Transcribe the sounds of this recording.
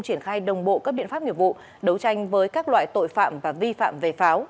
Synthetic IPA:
ŋ͡mt͡ɕi˧˩ənxaː˧jɗə˨˩wŋ͡mɓo̰˧˨kaː˦˥k̚ɓḭ˧ənfaː˦˥p̚ɲḭ˧˩əvṵ˧˨ | ɗə˨˦wt͡ɕa˧jŋ̟vəː˨˦jkaː˦˥k̚lwa̰ː˧˨jt̪o̰˧˨jfa̰ː˧˨mvaː˨˩vi˧fa̰ː˧˨mve˨˩faː˨˦w

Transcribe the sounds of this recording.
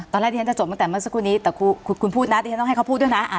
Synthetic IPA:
ɔː˧nɾaː˥˩t̪iː˧˩a˥t͡ɕa˨˩t͡ɕo˨˩ma˧˩t̪ɛː˨˩mɯ˥˩ə˨sa˦˥kʰːuː˧˩niː˦˥t̪ɛː˨˩kʰu˧kʰkʰu˧npʰuː˥˩t̪̚na˦˥iː˧˩˦t̪ɔ˥˩ha˩kʰwpʰu˥˩t̪̚dna˦˥ʔa˨˩

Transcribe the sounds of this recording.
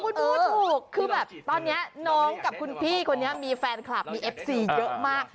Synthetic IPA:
kʰu˧nbuː˧˦uː˨˩kʰːɯː˧bɛː˨˩p̚t̪ɔː˧nːi˦˥ɐnɔː˦˥ŋka˨˩p̚kʰu˧npʰiː˥˩kʰo˧nːi˦˥ɐmiː˧fɛː˧nkʰla˨˩p̚miː˧ʔe˦˥p̚siː˨˧˩jɤ˦˥ʔmaː˥˩k̚

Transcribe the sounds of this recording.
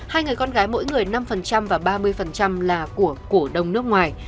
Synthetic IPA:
haː˧jŋɨ˨˩əjkɔ˧nɣaː˨˦jmo̰˧˥jŋɨ˨˩əjna˧mfə˨˩nt͡ɕa˧mvaː˨˩ɓaː˧mɨ˧əjfə˨˩nt͡ɕa˧mlaː˨˩ku˧˩əku˧˩əɗə˨˩wŋ͡mnɨ˦˥ək̚ŋwaː˨˩j

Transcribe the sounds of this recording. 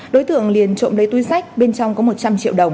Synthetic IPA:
ɗo˨˦jt̪ɨ̰˧˨əŋli˨˩ənt͡ɕo̰˧˨mlə˨˦jt̪u˧jsa˦˥jk̟̚ɓe˧nt͡ɕɔ˧wŋ͡mkɔ˨˦mo˨˩t̚t͡ɕa˧mt͡ɕḭ˧əwɗə˨˩wŋ͡m

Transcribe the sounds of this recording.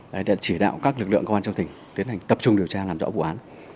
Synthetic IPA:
ʔəː˨˦ɗa̰ː˧˥t͡ɕi˧˩ɗa̰ː˧˨wkaː˦˥k̚lɨ˨˩k̚lɨ̰˧˨ŋkwaː˧t͡ɕə˧wt̪ï˨˩ŋ̟t̪i˨˦ənha˨˩jŋ̟t̪ə˨˩p̚t͡ɕʊ˧ŋ͡mɗi˨˩əwt͡ɕaː˧laː˨˩mzɔ̰˧˥vṵ˧˨ʔaː˨˦n

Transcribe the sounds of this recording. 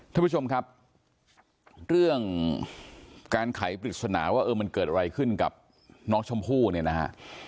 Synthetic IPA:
k̪ʰa˥˩pʰu˥o˧mkʰa˦˥p̚ | ɾɯ˥˩əŋ | kaː˧nkʰa˩˦jpɾi˨˩t̪̚sa˧na̰ː˩˦waː˥˩ʔɤː˧ma˧nkɤː˨˩t̪̚ʔa˧ɾa˧jkʰɯ˥˩nka̰˨˩p̚ | nɔː˦˥ŋt͡ɕʰo˧mpʰuː˥˩ni˥˩ɐna˦˥kʰa̰˦˥ʔ

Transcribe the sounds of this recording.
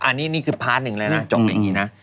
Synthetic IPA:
ʔa˧nːiː˦˥niː˦˥˩kʰɯː˧pʰaː˦˥t̪̚nɯ˨˩ŋlɤː˧jna˦˥t͡ɕo˨˩k̚ja̰˨˩ŋːiː˦˥na˦˥

